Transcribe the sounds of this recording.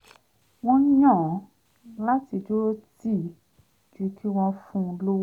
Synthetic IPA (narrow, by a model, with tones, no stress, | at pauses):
w̃ɔ̃˧˦jã˦˨˦ | la˦ti˧d͡ʒo˦ti˦˨ | d͡ʒu˦˧kʰi˦w̃ɔ̃˧fũ˦˧lo˦